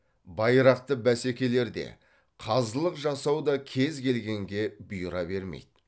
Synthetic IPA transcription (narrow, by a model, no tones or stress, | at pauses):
bɑjɾɑq̚t̪əbæsekʲe̞le̞ɾd̪ḛ | qʰɑzəlˠəqʒɑsɑwd̪ɑkʲʰe̞zkʲʰe̞lɡʲe̞ŋɡʲe̞bʊjɾɑbe̞ɾmḛjd̪̥